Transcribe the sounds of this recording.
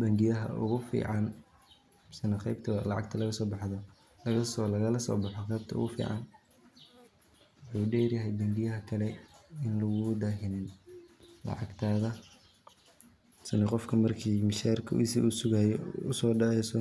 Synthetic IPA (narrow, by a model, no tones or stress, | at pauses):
bɐŋɡɪjɐɦɐ̰ʔʊ̰ɣʊfḭːʕɑn | sɐnɐqɛjbt̪ʰɐɐlɑʕɑɡ̚t̪ʰɐlɐɣɐsɔːbɑħðɔ | lɐɣɐslɐɣɐlɐsɔ̰ːbɑħɔqɛjb̚t̪ʰɐʊ̰ɣʊfḭːʕɑ̰n | wwʊħuːɖɛːrjɐɦɛjbɐŋɡɪjɐɦɐkʰɐlɛɪnlʊɣʊd̪ɐɦɪnɪn | lɑ̰ʕɑɡt̪ʰaːðɐ | sɐnɛqɔfkʰɐmɐrkʰiːmɪʃaːrkʰɐ̰sɪʊsʊɣaːjɛʊsɔːɖɐɛsɔ